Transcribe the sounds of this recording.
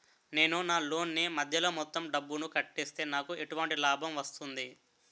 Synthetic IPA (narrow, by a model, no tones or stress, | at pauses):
ne̞ːnunaːlo̞ːnːimɐd̪ʱjɐlo̞ːmɔt̪ːɐmɖɐbːunukɐʈːeːst̪e̞ːnaːkue̞ʈuʋɐɳʈilaːbʱɐmʋɐst̪und̪i